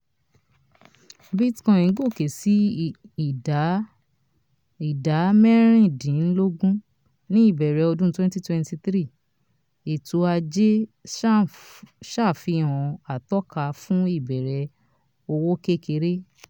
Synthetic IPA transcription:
bi˦tkã˧˦ĩ˨˦ɡo˦˨ke˨si˨˦˨ | i˨da˨˦mɛ˦ɾ̃ĩ˦˨dĩ˨˦n̩˦lo˦ɡũ˦ | nĩ˦i˦˨bɛ˨ɾɛ˨˧o˧dũ˦twɛ̃˦nti˦twɛ̃˦nti˧tɾi˦˨ | e˨tu˧a˧d͡ʒe˦ | ʃa˦˨fi˧hɔ̃˧a˨tɔ˦ka˧fũ˦i˦˨bɛ˨ɾɛ˧ | o˧wo˦ke˦˨ke˧˦ɾe˦

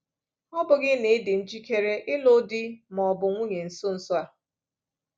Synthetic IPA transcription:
ɔ˦bʊ˨ɡɪ˦ne˨˦dɪ˨n̩˦d͡ʒi˦kʰe˦ɾe˦ʔɪ˦lʊ˦dɪ˦mɔ˨bʊ˨ŋʷu˦ɲe˨n̩˨sʊ˦n̩˨sʊ˦a˨

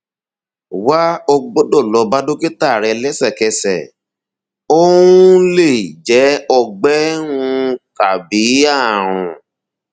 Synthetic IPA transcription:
wa˦ɔ˧ɡ͡bo˦dɔ˦˨lɔ˨˧ba˦do˦ke˦ta˦˨ɾɛ˧lɛ˦sɛ˦˨kɛ˧sɛ̰˨ | o˦wuũ˦le˦˨d͡ʒɛ˨˦ɔ˧ɡ͡bɛ˦wũ˧ka˨bi˨˦a˦˨ɾ̃ṵ̃˨

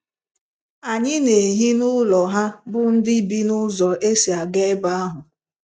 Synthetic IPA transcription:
a˨ɲɪ˦ne˨ɦi˦nʊ˦lɔ˨ɦa˦bʊ˦n̩˦dɪ˦bi˦nʊ˦zɔ˨ʔe˦si˨a˨ɡe˦ba˦a˦ɦʊ˨

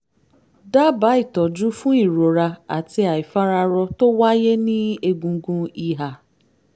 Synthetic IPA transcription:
da˦ba˨˦i˦˨tɔ˨d͡ʒu˨˦fũ˦i˦˨ɾo˨ɾa˧a̰˨ti˧a˨i˨fa˦ɾa˧ɾɔ˧to˦wa˦je˦nĩ˦e˧ɡũ˧˦ɡũ˧i˨ɦa˨

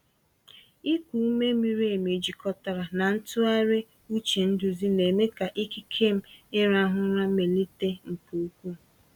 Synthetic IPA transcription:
i˦kʷu˨u˦me˦mi˦ɾe˨me˨d͡ʒi˨kɔ˦ta˨ɾa˨na˨n̩˦tʊ˦a˦ɾe˦ | u˦t͡ʃe˨n̩˦dʊ˨zi˦ne˨me˦ka˨ʔi˦ki˦kʰe˦˨m̩˨ɪ˦ɾa˦ɦʊ˦ɾa˦me˨li˦te˦m̩˨pu˨u˦kʷu˦

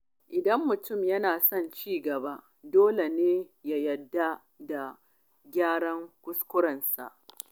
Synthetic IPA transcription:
ʔɪ˨dɐ˦mːʊ˨tʊ˦˨mjɐ˦naː˨sɔ˦˨nt͡ʃiː˦ɡɐ˨ba˦ʔ | doː˦le˨neː˦ja˦jɐ˨dːa˦ | da˨ | ɡʲaː˦ɽɐ˦ŋkʷʊ˦skʷʊ˦ɽɐ˨nsa̰˨ʔ

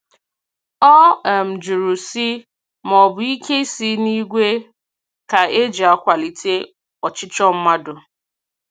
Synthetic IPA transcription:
ɔ˦˨m̩˨d͡ʒu˨ɾu˨si˦ | m˨ɔ˨bʊ˨i˦ke˦i˦si˦ni˦ɡʷe˦ | ka˨e˦d͡ʒi˨a˦kʷa˨li˨tʰe˦ | ɔ˨t͡ʃɪ˦t͡ʃɔ˦m̩˦ma˦dʊ˨

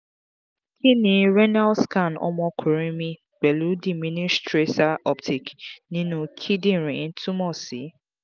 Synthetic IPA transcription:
ki˦ni˨ɾe˦na˦lska˦˨nɔ̰˦mɔ˦kʰu˨ɾi˦mi˦ | be˨lu˨˦di˨mi˦ni˦stɾe˦sa˦ɔ˦ptʰi˨knĩ˦nu˨kʰi˦di˦˨ɾi˨˦n̩˦tʰu˦mɔ˦˨si˨˦

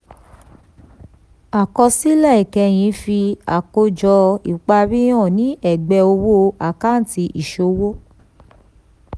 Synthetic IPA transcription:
a˨kɔ˧si˦lɛ˦˨i˨kɛ˧j̃ĩ˨˧˦fi˧a˨ko˧d͡ʒɔ˧i˨k͡pa˧ɾi˦ɔ̃˦˨nĩ˨˦ɛ˨ɡ͡bɛ˧o˧wo˦˧a˨ka˦˨n̩˦ti˧ʔi˨ʃo˧˦wo˦

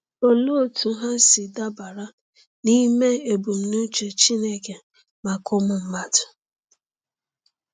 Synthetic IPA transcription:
o˨lo˦o˨tu˨˦ɦa˦sɪ˨da˦ba˨ɾa˦ | ni˦me˦e˨bu˨m̩˨nu˦t͡ʃe˨t͡ʃi˦ne˦ke˨ | ma˨kʊ˦mʊ˨m̩˦ma˦dʊ˨

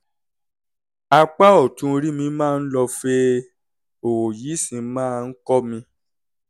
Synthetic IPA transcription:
a˧k͡pa˦ɔ˦˨tũ˨˦˧ɾi˦mĩ˧mãː˦˧n̩˦lɔ˧fe˧ | o˨wo˨ji˨˦sĩ˧mãː˦˨˧n̩˦kɔ˦mĩ˧

